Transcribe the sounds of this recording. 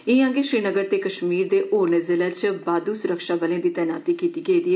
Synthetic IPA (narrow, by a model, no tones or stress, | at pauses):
ɪãːŋɡeʃɾiːnəɡəɾt̪eːkəʃmiːɾd̪eːʔoːɾnəzɪlət͡ʃbaːd̪uːsʊɾəkʃaːbəlẽːd̪iːt̪ɛːnaːt̪iːkiːt̪iːɡəiːd̪iː